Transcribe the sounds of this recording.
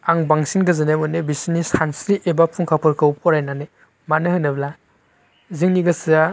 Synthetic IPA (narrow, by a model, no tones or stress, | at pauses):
aŋbaŋsinɡɐzɯnemunebisinisansɾiʔebapʰuŋkʰapʰɯɾkʰɯwp̚ɔɾajnane | manɯhɯnɐbla | ziŋniɡɐsia